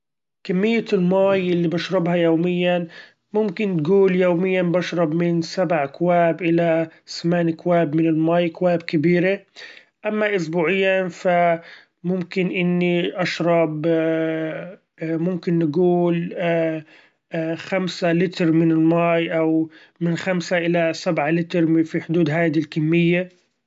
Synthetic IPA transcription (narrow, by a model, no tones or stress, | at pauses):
kamːɪjːalmaːjʔɪlːibaʃɾˤɑbhajoːmɪjːan | mʊmkɪnt̪ɡuːljoːmɪjːanbaʃɾˤɑbmɪnsabʕkwaːbʔɪlasamaːnikwaːbmɪnɪlmaːjkwaːbkɪbiːɾe | ʔamːaʔʊs̬buːʕɪjːafa | mʊmkɪnʔɪnːiʔaʃɾˤɑb | mʊmkɪnːɪɡuːl | xamsalɪt̪ɾmɪnɪlmaːjʔaw | mɪnxamsaʔɪlasabʕalɪt̪ɾfiħʊd̪uːd̪ɦaːd̪ilkamːɪjːa